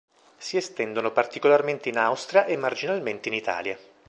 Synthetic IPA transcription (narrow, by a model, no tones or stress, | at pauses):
siest̪ɛnd̪onopart̪ikolarment̪einawst̪ɾiaʔemːard͡ʒinalment̪einit̪a̰ːlja